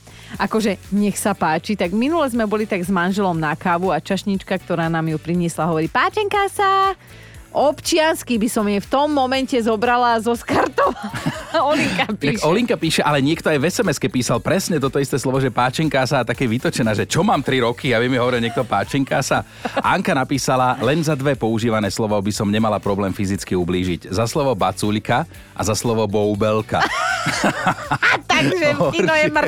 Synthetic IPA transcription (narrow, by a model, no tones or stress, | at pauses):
ʔakɔʒɛɲɛxsapaːt͡ʃit̪aɡminulɛzmɛbɔlit̪aɡzmanʒɛlɔmnakaʋuat͡ʃaʃɲit͡ʃkak̚t̪ɔɾaːnaːmjupɾiɲɪɛslaɦɔʋɔɾipaːt͡ʃɛŋkaːsa | ʔɔpt͡ʃɪanskibisɔmjɛft̪ɔmːɔmɛncɛzɔbɾalazɔskaɾt̪ɔʋalɔliŋkapiakɔliŋkapiːʃɛʔalɛɲɪɛkt̪ɔajʋɛsɛmɛskɛpiːsalpɾɛsɲɛt̪ɔt̪ɔist̪ɛːslɔʋɔʒɛpaːt͡ʃɛŋkaːsaːt̪akɛːʋit̪ɔt͡ʃɛnaːʒɛt͡ʃɔmaːmt̪ɾiɾɔkʰiaʋɛmiɦɔʋɔɾilɲɪɛkt̪ɔpaːt͡ʃɛŋkaːsa | ʔaŋkanapiːsalalɛnzad̪ʋɛpɔuʒiːʋanɛːslɔʋɔbisɔmɲɛmalapɾɔblɛːmfizit͡skiubliːʒiɟzaslɔʋɔbat͡suʎka | ʔa̰zaslɔʋɔbɔʊbɛlka̰ | t̪aʒɛnɔjɛmr